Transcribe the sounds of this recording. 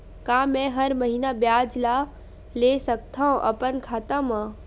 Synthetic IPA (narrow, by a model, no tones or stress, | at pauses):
kamɛ̃ɦəɾməɦiːnabjaːd͡ʒla | lesək̚t̪ʰaõʔə̰pənkʰaːt̪ãmã